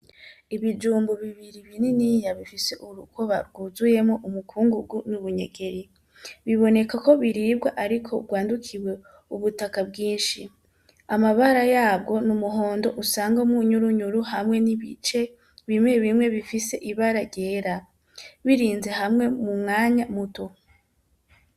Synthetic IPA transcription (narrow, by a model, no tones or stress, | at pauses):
iβid͡ʒuːmbuβiβiɾiβininijaβifise̞ʔuɾukʰoβa̰ɾɡuzuje̞mŋoʔumukʰuːŋɡuɡunuβuɲe̞̰ɡe̞ɾi | βiβo̞ne̞kako̞βiɾiːb̚ɡaʔaɾikʰo̞ɡɡwaːndukʰiwe̞ | uβutakabɡiːnʃi | amaβaɾajaːb̚ɡo̞numuɦo̞ːndo̞ʔusaːŋɡaumŋuɲuɾuɲuɾuhamŋe̞niβḭt͡ʃe̞ | βimŋe̞βimŋe̞βifise̞ʔiβaɾaɾɟe̞ːɾa | βiɾiːnze̞ɦamŋe̞mumŋaːɲamuto